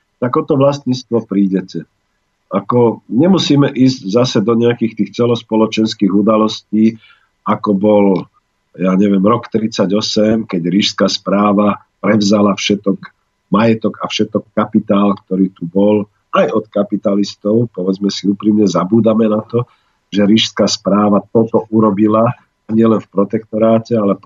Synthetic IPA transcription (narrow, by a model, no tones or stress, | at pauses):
t̪akɔt̪ɔʋlast̪ɲiːt͡st̪ʋɔpɾiːɟɛcɛ | ʔakɔɲɛmusiːmɛʔiːzɟzasɛd̪ɔɲɛakiːxt̪iːxt͡sɛlɔspɔlɔt͡ʃɛnskiːɣud̪alɔsciː | akɔbɔl | jaːɲɛʋɪɛmɾɔkt̪ɾit͡saɟɔsɛmkɛɟɾiʃskaːspɾaːʋa | pɾɛʋzalafʃɛt̪ɔk | majɛt̪ɔɡafʃɛt̪ɔkːapit̪aːlkt̪ɔɾiːt̪ubɔl | ajɔt̪kapit̪alist̪ɔʊpɔʋɛd͡zmɛsiupɾimɲɛzabuːd̪amɛnat̪ɔ | ʒɛɾiʃskaspɾaːʋat̪ɔt̪ɔʔuɾɔbila | aɲɪɛlɛnfpɾɔt̪ɛk̚t̪ɔɾaːcɛalɛ